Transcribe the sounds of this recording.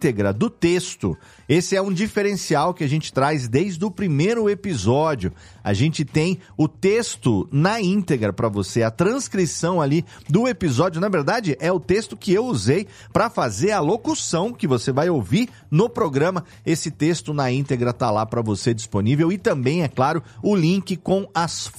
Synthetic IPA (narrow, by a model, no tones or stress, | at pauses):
t̪eɡɾɐd̪ʊt̪est̪ʊ | esɪɛũd͡ʒifeɾẽsiawkɪaʒẽnt͡ʃɪ̥t̪ɾajzd̪ejzd̪ʊpɾimejɾʊepizɔd͡ʒiʊ | a̰ʒẽnt͡ʃɪt̪ẽj̃ʊt̪est̪ʊnɐĩnt̪eɡɾɐpɾɐvoseɐt̪ɾɐ̃skɾisɐ̃w̃ali | d̪ʊepizɔd͡ʒʊnɐveɾd̪ad͡ʒɪʔɛʊt̪est̪ʊkɪewuzej | pɾɐfazeɾɐlokusɐ̃w̃kɪvosevajowviɾ | nʊpɾoɡɾɐ̃mɐ | esɪt̪est̪ʊnɐĩt̪eɡɾɐt̪alapɾɐvosed͡ʒisponivewɪt̪ɐ̃mbẽj̃ɛklaɾʊʊlĩkɪkõw̃ɐs